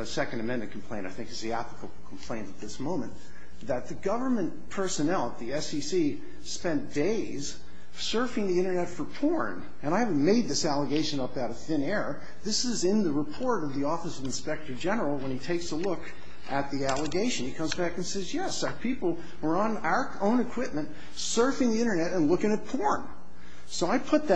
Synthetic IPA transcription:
ɨsɛkɨ̃ndɨmɛ̃nmɨ̃nkʰm̩pʰl̥ẽɪ̃ɾ̃taɪθɪ̃ŋkɨzðiæpləkʰəbl̩ˠkʰm̩pʰl̥ẽɪ̃ntɨt̪̚ðɪsmõʊ̃mɨ̃n | ðɨt̪̚ðɨɡʌvə˞mɨ̃n | pʰɜ˞sɨnælˠətðiɛsisi | spɛ̃nd̥eɪz̥ | sɜ˞fɪ̃ŋðiɪ̃ɾ̃ə˞nɛtfə˞pʰɔɹn | ɨ̃ɾ̃aɪhævn̩meɪd̪̚ðɪsælˠəɡeɪʃɨ̃nʌpaʊɾɨθɪ̃nɛɹə | ðɪsɪzɪ̃nðɨɹəpʰɔɹɾʌvðiɔfɨsʌvɨ̃n̩spɛk̚tə˞d͡ʒɛnə˞l̩ˠwə̃nitʰeɪksəlʊk | ʔɨt̪̚ðiælˠəɡeɪʃɨ̃nikʰʌ̃mzbækɨ̃n̩sɛzjɛsʊə˞pʰipl̩ˠ | wə˞ə̃naʊə˞õʊ̃nɨkʰw̥ɪp̚mɨ̃nt | sɜ˞fɪ̃ŋðiɪ̃ɾ̃ə˞nɛɾɨ̃nlʊkɪ̃ŋɨt̚pʰɔɹn | soʊaɪpʰʊt̪̚ðɨ

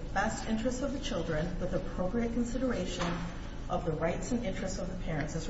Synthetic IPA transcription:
b̥æstɪ̃nt͡ʃɹ̥ɨstsʌvðɨt͡ʃʰɪlˠdɹɨ̃nwɨðəpʰɹ̥oʊpɹiɨt̚kʰn̩sɪɾə˞eɪʃɨ̃n | ʔʌvðəɹaɪtsɨ̃nɪ̃nt͡ʃɹ̥ɨstsʌvðəpʰɛɹɨ̃ntsɨz

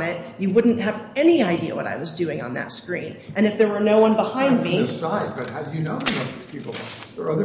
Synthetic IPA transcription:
nɪt̚jɨwʊdⁿn̩t̚ɦɨvɛniaɪdiɨ̰wʌ̰ɾa̰ɪwʌzdʉɪ̃ŋə̰̃nðɨ̰tskɹḭ̃nʔɨ̃nɨfðə˞wə˞noʊwʌ̃nbəhãɪ̃ndmisaɪd̚bʌt̚ɦaʊdɨnõʊ̃nəwʌt̚ðiz̥pʰipl̩ˠʌə˞ʌðə˞

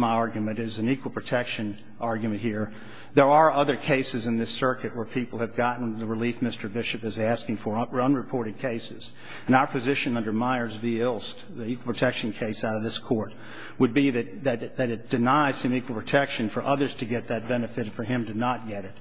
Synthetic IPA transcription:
maɪɑɹɡjɨmɨ̃ñtɪzɨ̃nikwl̩ˠpʰɹ̥ɨtʰɛkʃɨ̃n | ʔɑɹɡjmɨ̃nt̚hiɹ | ðə˞ə˞ʌðə˞kʰeɪsɨzɨ̃nðɪsɜ˞kɨt̚wə˞pʰipl̩ˠɨvɡɑʔn̩ðəɹɨlifmɪstə˞bɪʃɨpɨzæskɪ̃ŋfə˞ʌ̃nɹɨpʰɔɹɾɨd̚kʰeɪsɨz̥ | ɨ̃naʊə˞pʰɨzɪʃɨ̃nʌ̃ndə˞maɪə˞zviɪlˠst | ðiikwl̩ˠpʰɹɨtʰɛkʃɨ̃n̩kʰeɪsaʊɾʌvðɪskʰɔɹt̚ | wəd̚biðɨt̚ðɨɾðɨɾɨt̚d̥ɨnaɪz̥hɨ̃mikwl̩ˠpʰɨtʰɛkʃɨ̃nfə˞ʔʌðə˞z̥tʰɨɡɛt̪̚ðɨt̚b̥ɛnɨfɨtfə˞ɪ̃mtɨnət̚ɡ̥ɛɾɨt̚

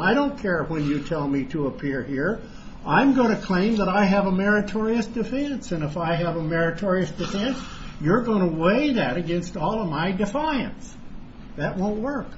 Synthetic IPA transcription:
aɪɾõʊ̃nkʰɛɹwɨ̃njɨtʰɛlˠmiɾəəpʰɪɹhiɹ | ãɪ̃mɡoʊɪ̃ñtʰɨkʰl̥ẽɪ̃mðəɾaɪɨvəmɛɹɨtʰɔɹiɨsd̥ɨfɛ̃nsɨ̃nɨfaɪɨvəmɛɹɨtʰɔɹiɨsd̥ɨfɛ̃ns | jə˞ɡoʊ̃nəweɪðɨɾɨɡɛ̃nstɔlˠʌvmaɪdɨfaɪɨ̰̃ns | ðɨʔ̚wõʊ̃nʔ̚wɜ˞k

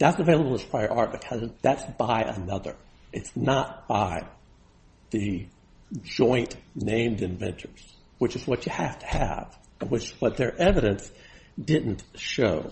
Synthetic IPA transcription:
ðætsɨveɪlˠəbl̩ˠəz̥pʰɹ̥aɪə˞ʔɑɹt̚b̥ɨkʰʌzðætsb̥aɪʔə̰nʌðə̰˞ | ʔɨtsnət̚b̥aɪ | ðɨ | d͡ʒɔ̃ɪ̃nnẽɪ̃mdɨ̃ɱvɛ̃ntʰə˞z̥ | wɨt͡ʃɨzwʌt͡ʃɨhæftʰɨ̥ɨ̰v̥ | ɨ̃nwɨt͡ʃwʌt̪̚ðə˞ʔɛvɨɾɨ̃ns | d̥ɪdⁿn̩ʃoʊ

